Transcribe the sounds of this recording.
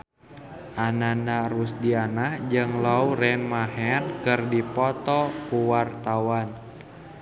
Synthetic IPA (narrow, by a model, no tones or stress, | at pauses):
ʔananarusdianahd͡ʒɨŋlauɾɛnmaɦɛnkɨrdipɔt̪ɔkuwart̪awan